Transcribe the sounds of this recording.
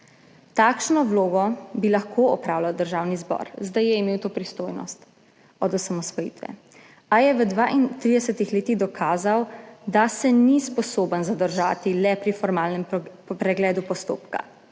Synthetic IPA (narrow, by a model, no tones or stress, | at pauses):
t̪akʃnɔwloːɡɔbilaxkʰoɔpɾawlawd̪əɾʒaːwnizbɔ̰ɾzd̪ajɛimeːwt̪oːpɾist̪oːjnɔ̰st̪ | ɔd̪ɔsamɔsʋɔjḭːt̪ʋɛ̰ | ajɛʋəd̪ʋaʔint̪ɾid̪ɛsət̪ixleːt̪iɣd̪ɔkʰaːzawd̪asɛnispɔsoːbənzad̪əɾʒaːt̪ilɛpɾifɔɾmaːlnɛm | pɾɛɡlɛːd̪upɔst̪o̰ːpka̰